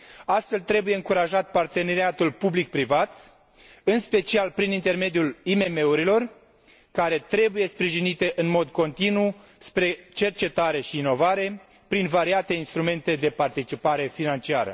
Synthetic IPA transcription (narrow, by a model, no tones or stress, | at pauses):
ast̪fe̞lt̪ɾe̞buje̞ɨŋkuɾaʒat̪̚part̪e̞ne̞ɾiat̪ulpublik̚pɾivat̪ | ɨnspe̞t͡ʃialpɾinint̪e̞rme̞d̪julime̞me̞uɾilo̞r | kaɾe̞t̪ɾe̞buje̞spɾiʒinit̪e̞ʔɨnmo̞d̪ko̞nt̪inu | spɾe̞t͡ʃe̞rt͡ʃe̞t̪aɾe̞ʃiːno̞vaɾe̞ | pɾinvaɾiat̪e̞inst̪ɾume̞nt̪e̞d̪e̞part̪it͡ʃipaɾe̞finant͡ʃia̰ɾə̰